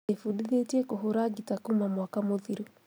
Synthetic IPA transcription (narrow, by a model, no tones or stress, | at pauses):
efudiðetiɛkoɦoɾaɡitakumamwakamoðiɾu